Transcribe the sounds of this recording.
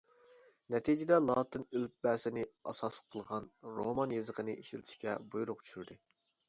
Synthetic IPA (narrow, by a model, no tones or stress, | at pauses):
nɛt̪ʰid͡ʒɪd̪ɛlˠɑːt̪ʰɨnølp̚bæsɪnɪɑ̰sɑsqʰəlˠʁɑnɾomɑnjezəqənɨʔiʃilt̪ʰɪ̥ʃkʲɛbujuɾʊqt͡ʃʰy̥ʃyɾd̪ɨ